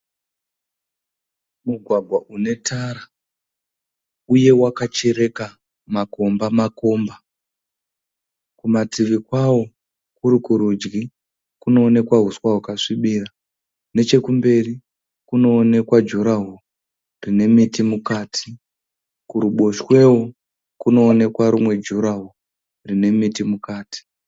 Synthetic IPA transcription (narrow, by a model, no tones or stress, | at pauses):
muɡʱwaɡʱwaʔune̞taɾa | uje̞wakat͡ʃe̞ɾe̞ka | mako̞mbamako̞mba | kumatiʋikwawo̞ | kuɾikuɾud͡ʒɡi | kuno̞ːne̞kwaɦuswaɦukaʂiɓira | ne̞t͡ʃe̞kumbe̞ri | kuno̞ːne̞kwad͡ʒuɾaɦo | rine̞mitimukaːtʰi̥ | kuɾuɓo̞ʃwe̞wo | kuno̞ːne̞kwaɾumwe̞d͡ʒuɾaɦo | rine̞mitimukaːti̥